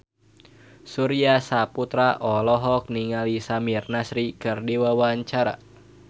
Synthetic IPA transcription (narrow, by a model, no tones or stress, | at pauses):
suɾiasaput̪ɾaʔɔlɔɦɔk̚niŋalisamirnasɾikɨrdiwawaɲt͡ʃaɾa̰